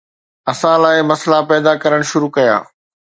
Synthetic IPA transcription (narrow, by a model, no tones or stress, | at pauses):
ɐsãlaːɪmɐslapɛːd̪akɐɾəɽ̃ʃʊɾukɐja̰ː